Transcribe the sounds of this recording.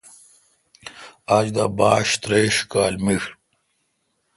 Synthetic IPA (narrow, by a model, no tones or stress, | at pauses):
ad͡ʑd̪abaːɕt̪ɾeːɕkaːlmiʂ